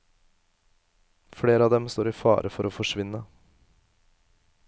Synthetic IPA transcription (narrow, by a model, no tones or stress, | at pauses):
fɽeːɾəɑːd̪ɛmst̪oːɾiːfɑ̰ːɾʔəfɔɾoːfɔʂʋɪnə